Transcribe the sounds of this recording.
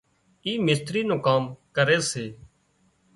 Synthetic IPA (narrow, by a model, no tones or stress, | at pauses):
iːmɪst̪ɾiːnõːkaːmkəɾeːseː